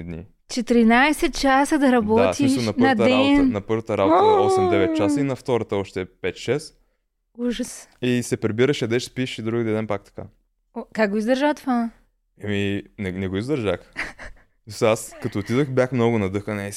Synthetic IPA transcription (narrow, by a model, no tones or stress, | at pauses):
d̪nḭ | t͡ʃɛt̪ɾinajsɛt̪̚t͡ʃasəd̪ɐɾɐbɔat̪iʃoɐpnɐd̪ɾaɛnnɐpɤɾvət̪əɾa̰boɔsɛmɛvɛt̪̚t͡ʃasəinɐft̪ɔɾət̪əɔʃt̪ɛpɛt̪ʃɛs | uʒəsisɛpɾibiɾəʃɐd̪ɛʃspiʃid̪ɾuɡid̪ɛd̪ɛnpak̚t̪ɐ̥ka̰ | kakɡʊizd̪əɾʒat̪va | ɛminɛnɛɡoizd̪əɾʒa̰x | zosaaskɐt̪oːt̪id̪əxbjaxmnoɡʊnɐd̪ɤxənɛ